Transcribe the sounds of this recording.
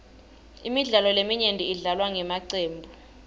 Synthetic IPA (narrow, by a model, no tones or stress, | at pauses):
imiɮalɔlemiɲendʼʱiiɮalwaŋʱɛmaǀeːmbʱu